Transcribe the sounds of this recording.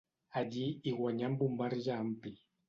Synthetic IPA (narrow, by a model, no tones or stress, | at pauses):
adiiɣwaɲambumbaɾʒam̩pi